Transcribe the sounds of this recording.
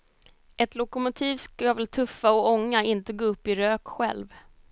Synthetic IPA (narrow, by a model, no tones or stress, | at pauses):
ʔɛt̪lʊkʊmʊt̪ʰiːvskajvɛlt̪ʰɵfːaɔɔŋːaɪnt̪əɡoːɵpːɪɾøːkɧɛ̰lv